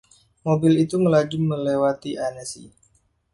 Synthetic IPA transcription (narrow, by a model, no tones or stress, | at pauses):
mobɪlit̪uməlad͡ʒʊmːəlewat̪iʔanəsḭ